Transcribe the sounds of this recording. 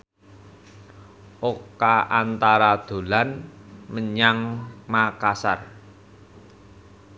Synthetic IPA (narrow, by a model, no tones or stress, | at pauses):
ʔokaʔant̪aɾad̪̥o̤lanməɲaŋmakasa̰r